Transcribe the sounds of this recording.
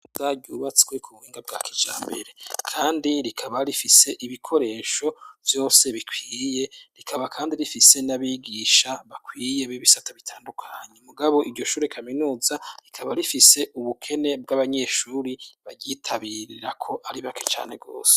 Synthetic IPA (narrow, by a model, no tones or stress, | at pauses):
zaɟuβat͡si̥kwekʰumhiːŋɡab̚ɡa̰ːkʰi̥d͡ʒa̰ːmbe̞̰ɾe̞kʰaːndiɾikʰaβaɾifise̞ʔiβikʰo̞ɾe̞ːʃo̞vjo̞ːse̞βikwiːje̞ɾikʰaβakʰaːndiɾifise̞naβiɡiʃaβakʰwiːje̞βiβisataβitʰaːndukʰaːɲe̞muɡaβo̞ʔiɾɟo̞ʃuːɾekʰaminuːzaɾikʰaβaɾifise̞ʔuβukʰe̞ne̞b̚ɡaβaɲe̞ʃuːɾiβaɟitʰaβiɾiɾakʰo̞ʔaɾiβake̞t͡ʃa̰ːne̞ɡo̞̰ːse̥